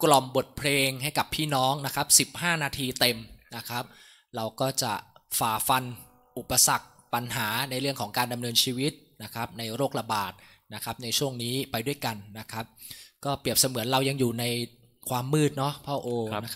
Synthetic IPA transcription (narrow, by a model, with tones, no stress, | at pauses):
klɔ˨˩mbo˨˩t̪̚pʰleː˧ŋha˥˩jka˨˩pʰːiː˥˩nɔː˦˥ŋna˦˥kʰa˦˥p̚si˨˩p̚haː˥˩naː˧t̪ʰiː˧t̪e˧mna˦˥kʰa˦˥p̚ | ɾa˧wkɔː˥˩t͡ɕa˨˩faː˨˩fa˧n | ʔu˨˩pːa˧sa˨˩k̚ | pa˧nɦaː˩˦na˧jɾɯ˥˩əŋkʰɔː˩˦ŋkaː˧nda˧mnɤː˧nt͡ɕʰiː˧wi˦˥t̪̚na˦˥kʰa˦˥p̚na˧jɾoː˥˩k̚ɾa˧baː˨˩t̪̚ | na˦˥kʰa˦˥p̚na˧jt͡ɕʰu˥˩əŋniː˦˥pa˧jdu˥˩əjka˧nːa˦˥kʰa˦˥p̚kɔː˥˩pɾi˨˩əp̚sa˧mɯ˨˩˦ənɾa˧wja˧ŋjuː˨˩na˧j | kʰwaː˧mːɯː˥˩t̪̚nɔ˦˥pʰɔː˥˩ʔoː˧na˦˥˦